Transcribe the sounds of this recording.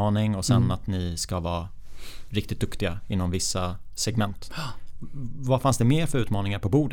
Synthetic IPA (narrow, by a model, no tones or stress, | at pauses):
ɑːnɪŋɔsɛnːat̪nɪskavɑː | ɾɪkt̪ɪt̪̚d̪ɵkt̪ɪɡaɪnːɔmvɪsːa | sɛɡmɛnt̪ | vafansd̪ɛmeːɾfœɾʉ̟ːt̪mɑːnɪŋaɾpʰɔbuːɖ